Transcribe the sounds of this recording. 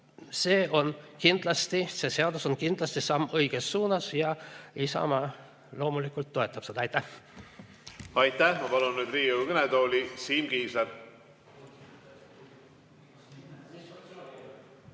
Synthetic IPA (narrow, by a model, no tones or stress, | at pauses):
se̞ːo̞nkind̪̥lɑst̪ise̞se̞ɑd̪̥uso̞nkind̪lɑst̪isɑmːɤjɡ̥esːuːnɑsjɑisɑ̰mɑ | lo̞ːmulikːˑult̪ːo̞e̞t̪ːˑɑpsed̪̥ɑɑjt̪ːˑæh | ɑjt̪æhmɑpɑlunːyːd̪riːuɡ̥net̪o̞ːlʲisiːmɡ̥iːseɾ